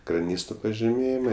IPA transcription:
krɐˈnʲiːstoː pɐʒʲɪˈmʲeːjɪmɐ

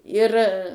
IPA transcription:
ɪr

